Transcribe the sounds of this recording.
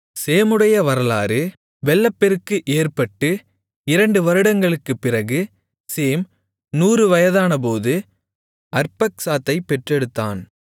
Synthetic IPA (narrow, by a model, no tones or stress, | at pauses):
seːmɯɽɐjɐʋɐɾɐlaːɾɯ | ʋɛɭːɐpːɛɾɯkːɯʔeːrpɐʈːɯ | ɪɾɐɳɖɯʋɐɾɯɽɐŋɡɐɭɯkːɯpːɪrɐɣɯ | seːm | nuːɾɯʋɐjɐðaːnɐp̬oːðɯ | ʔɐɾpɐksaːt̪ːɐɪpːɛʈrɛɽɯt̪ːa̰ːn